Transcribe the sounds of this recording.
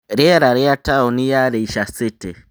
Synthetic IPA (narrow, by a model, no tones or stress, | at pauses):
ɾɛaɾaɾɛataɔnijaɾeiʃasete